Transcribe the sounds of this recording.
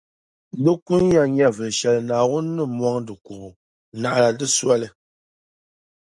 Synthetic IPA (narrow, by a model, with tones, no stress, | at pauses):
dɨ˦ku˦n˦ja˦ɲ˦a˦vɨ˨ʃɛ˨lnaː˨wu˦nː˦ɨ˦mwa˦ŋdɨ˨ku˨ʔ | na˨ʔla˨dɨ˦sa˦lɨ˨